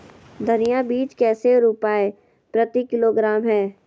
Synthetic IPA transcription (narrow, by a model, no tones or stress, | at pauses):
d̪ʱɐnijabiːt͡ʃkɛːseɾupaːe | pɾɐt̪ikɪloːɡɾaːmɦɛː